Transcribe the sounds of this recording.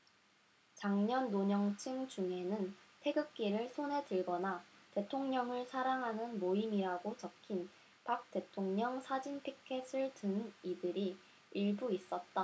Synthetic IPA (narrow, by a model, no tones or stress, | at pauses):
t͡ɕaŋɲʌnːoɲʌŋt͡ɕʰɯŋt͡ɕuŋɦe̞nɯntʰe̞ɡɯk̚k͈iɾɯɭsʰone̞dɯɭɡʌnate̞tʰoŋɲʌŋɯɭsʰaɾaŋɦanɯnmoimiɾaɡot͡ɕʌkʰin | pak̚t͈e̞tʰoŋɲʌŋsʰad͡ʑinpʰikʰe̞sʰɯɭtɯnidɯɾi | iɭbuis͈ʌt̚t͈a